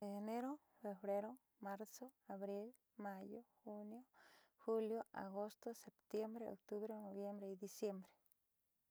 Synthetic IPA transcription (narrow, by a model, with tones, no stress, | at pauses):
e˨ne˦ɾo˦ | fe˨bɾe˦ɾo˦ | ma˧ɾso˦a˨βɾi˦l | ma˧jo˦xu˦njo˦xu˦ljo˦a̰˨ɡo˦st̪o˦se˨pt̪je˦mbɾe˦o̰˨k̚t̪u˦βɾe˦no˨βje˦mbɾe˦i˧d̪i˧sje˦mbɾe̥˨